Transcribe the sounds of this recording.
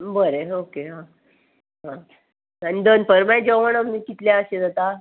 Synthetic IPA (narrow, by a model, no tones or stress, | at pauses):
bəɾeokeɦã | ɦã | ənid̪ənpəɾmajd͡ʑəʋəɽamiːkit̪ljaəɕed͡zat̪a